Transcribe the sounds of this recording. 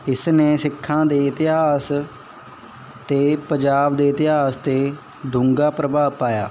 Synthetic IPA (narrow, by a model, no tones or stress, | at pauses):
ɪsneːsɪkʰːãːd̪eːɪt̪ɪɦaːs | t̪eːpəɲd͡ʒaːbd̪eːɪt̪ɪɦaːst̪eː | d̪ʊ̃ŋɡaːpɾəbaːpaːja̰ː